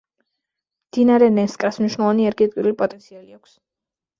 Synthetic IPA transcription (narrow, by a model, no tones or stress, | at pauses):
md̪̥inaɾɛnɛnskʼɾasmniʃwnɛlˠvaniɛɾɡiɛt̪ʼwiɾulipʼɔt̪ʼɛnt̪sʰialiakʷʰs